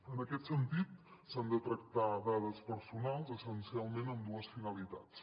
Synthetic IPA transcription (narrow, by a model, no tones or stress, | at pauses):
ənəkɛt̪sənt̪it̪sand̪ət̪ɾək̚t̪aðaðəspəɾsunalˠzəsənsialˠmẽnəmd̪uəsfinəlit̪att͡s